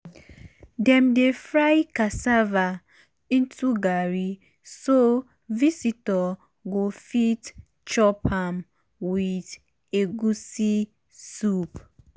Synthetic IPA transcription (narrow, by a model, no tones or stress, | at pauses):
dɛmdefɾajkasava | ĩntuɡaɾi | so | visitɔ | ɡofit | t͡ʃɔpʰam | wið | eɡusi | sup